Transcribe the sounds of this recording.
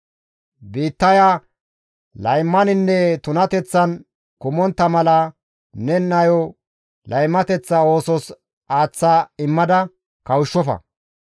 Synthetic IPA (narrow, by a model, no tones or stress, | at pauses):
biːt̪ːɐja | lɐjmːɐnɪnːɛt̪ʊnɐt̪ɛt͡sːɐn | kʊmɔnt̪ːɐmɐlɐ | nɛnɐjɔ | lʔɐjmːɐt̪ɛt͡sːɐo̞ːsɔs | aːt͡sːaːɪmːɐd̪ɐ | kɐwʊʃːɔfɐ̰